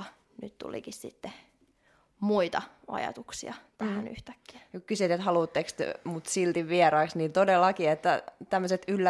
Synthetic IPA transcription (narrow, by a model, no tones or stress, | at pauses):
nyt̪t̪ṵlḭkissḭt̪ːe | muit̪ɑ | ɑ̰jɑ̰t̪uksḭɑt̪æhæny̰ht̪æ̥kːi̥æ̥ykkysyt̪et̪hɑluːt̪ːekst̪mut̪silt̪iʋʋieɾɑːksniːnt̪odelːɑkiet̪ːæt̪æmːøset̪ylːæ